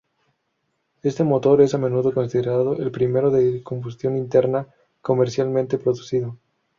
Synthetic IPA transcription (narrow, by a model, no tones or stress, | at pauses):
e̞st̪emo̞t̪o̞ɾe̞samẽ̞nuðo̞ko̞nsiðeɾaðoʔelpɾime̞ɾo̞ðeko̞mbust̪jo̞nint̪e̞ɾna | ko̞meɾsjalmẽnt̪e̞pɾo̞ðusiðo̞